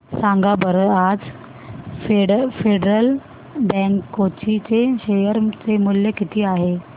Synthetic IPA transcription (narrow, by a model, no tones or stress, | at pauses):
sãŋɡabəɾad͡z | efeɖɾəl | bɛ̃ŋkːot͡ɕit͡seɕejəɾt͡semuljəkit̪ʰiːaɦe